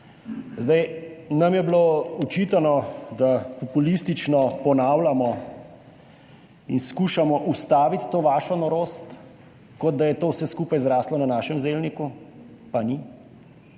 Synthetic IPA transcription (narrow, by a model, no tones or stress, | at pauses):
zd̪ajnamjɛbloːut͡ʃit̪anɔd̪apɔpulist̪it͡ʃnɔpɔnaːwlamɔ | inskuʃamɔʔust̪aːʋit̪ːoːʋaːʃɔnɔɾoːst̪ | kɔd̪̚d̪ajɛt̪oːwsɛskuːpajzɾaːslɔnanaːʃɛmzeːlniku | pani